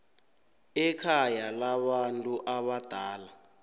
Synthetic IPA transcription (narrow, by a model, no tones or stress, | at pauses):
ɛkʰajalaβantʼuʔaβad̥ʱaːla